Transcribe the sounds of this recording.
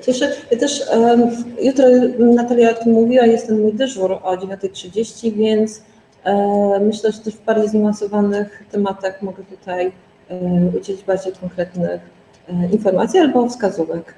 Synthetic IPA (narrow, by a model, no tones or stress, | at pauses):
t͡ɕɛʂɘjat̪ɛʂ | jut̪ɾɔnat̪alʲjaɔt̪ɘmːuvʲiwajɛst̪ɛmmujd̪ɘʐuɾɔd͡ʑevʲjɔnt̪ɛtʂɘd͡ʑeɕt͡ɕivʲjɛnt̪s | mɘɕlɛʐɛt̪ɛʐvbaɾd͡ʑejzinvansɔvanɘxt̪ɛmat̪axmɔɡɛt̪ut̪aj | ud͡ʑɛlʲid͡ʑbaɾd͡ʑejkɔŋkɾɛt̪nɘx | infɔɾma̰t̪sʲjialbɔfskazuvɛk